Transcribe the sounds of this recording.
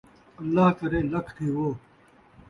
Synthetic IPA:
ɐlːaːɦkɐɾeːlɐkʰt̪ʰiːwoː

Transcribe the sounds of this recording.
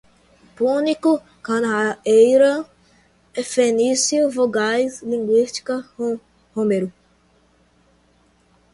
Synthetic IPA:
puniku | kãnaejɾɐ | efenisjuvoɡajzlĩŋɡwist͡ʃi̥kɐ | homeɾu

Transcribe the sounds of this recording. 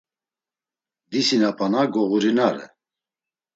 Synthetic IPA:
d̪isinapʰʼanaɡɔɣuɾinaɾɛ̰

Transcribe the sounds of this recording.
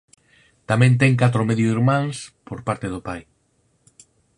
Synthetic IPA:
t̪amɛ̃nt̪̬ɛŋkat̪ɾʊmeðjoiɾmãŋspoɾpaɾt̪eðʊpaj

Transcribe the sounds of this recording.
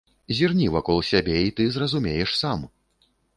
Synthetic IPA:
zʲirnʲivakɔlˠsʲabʲeit̪ɨzrɐzumʲejɛʂsam

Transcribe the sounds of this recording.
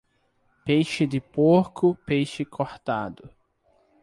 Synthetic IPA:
pejʃɪd̪ɪpoɾkʰʊpejʃɪkʰoɾt̪ad̪ʊ

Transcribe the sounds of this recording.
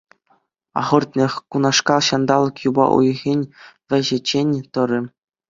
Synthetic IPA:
ɑ̰ʁɤ̆rt̪̚ʲnʲexʲkunɑʂkɑɕɑnd̪ɑlˠɤ̆kjubɑ̰ʔṵjɣʲenʲʋʲɘ̆ʑɘ̆t͡ɕenʲt̪ɤ̆ɾʲɘ̆

